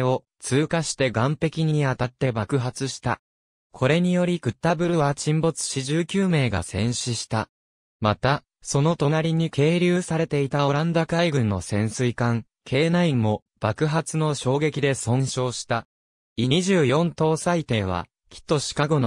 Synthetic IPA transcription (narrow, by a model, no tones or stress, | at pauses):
o̞ | t͡sɨːkaɕi̥t̪e̞ɡãmpe̞kʲiɲ̟iat̪at̪ːe̞bakɯ̟ɦat͡sɨɕi̥t̪a̰ | kʰo̞ɾe̞ɲ̟ijo̞ɾʲikɯ̟t̪ːabɯ̟ɾɯ̟βat͡ɕĩmbo̞t͡sɨ̥ɕiʑɨːkʲɨːme̞ːɡa̰sẽ̞ɰ̃ɕiɕi̥t̪a | mat̪a | so̞no̞t̪o̞naɾʲiɲ̟ikʰe̞ːɾʲɨːsaɾe̞t̪e̞it̪ao̞ɾãnd̪akaiɡɯ̟̃nːo̞sẽ̞ɰ̃sɨikãŋ | kʰe̞ːnaĩmmːo̞ | b̥akɯ̟ɦat͡sɨno̞ɕo̞ːɡe̞kʲid̪e̞sõ̞ɕo̞ːɕi̥t̪a | iiʑɨːjõ̞nt̪o̞ːsait̪e̞ːβ̞a̰ | kʲʰi̥t̪ːo̞ɕi̥kaɡo̞no